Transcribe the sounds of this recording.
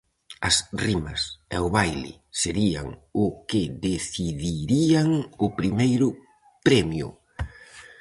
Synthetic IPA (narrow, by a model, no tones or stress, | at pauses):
ɐsrimɐ̰sɛʊβajlɪ̰ | seɾia̰ŋʊkɪðeθiðiɾiaŋʊpɾimejɾʊ | pɾɛmjʊ̰